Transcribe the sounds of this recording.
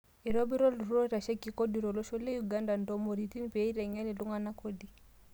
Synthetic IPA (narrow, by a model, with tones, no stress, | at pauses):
i˨ɾɔ˦bi˦ɾɔ˦lɾɔ˦ɾa˨ʃɛ˦ki˨kɔ˦di˨ɾɔ˨lɔ˦ʃɔ˦le˦ju˨ɡa˦nda˨ndɔ˦mɔ˨ɾi˨ti˦npe˨i˦ɾɛ˨ɲɛ˦li˨lu˦ŋa˨na˦kɔ˦di˨